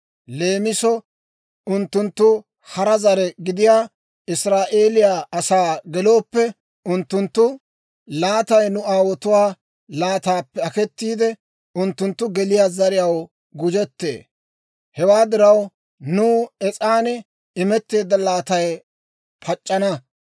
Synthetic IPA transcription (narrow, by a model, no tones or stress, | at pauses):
le̞ːmɪsɔ | ʊnt̪ːʊnt̪ːʊ | hɐɾɐzɐɾɛɡɪd̪ɪjaː | ɪsɾaːʔe̞ːlɪjaːʔɐsaːɡɛlo̞ːpːɛ | ʊnt̪ːʊnt̪ːʊ | laːt̪ɐjnʊaːwɔt̪ʊwaː | laːt̪aːpːɛɐkɛt̪ːiːd̪ɛ | ʊnt̪ːʊnt̪ːʊɡɛlɪjaːzɐɾɪjɐw | ɡʊd͡ʒɛt̪ːḛː | hɛwaːd̪ɪɾɐw | nuːɛt͡sʼaːnɛ | ɪmɛt̪ːe̞ːd̪ɐlaːt̪ɐj | pʰɐt͡ʃʼːɐnɐ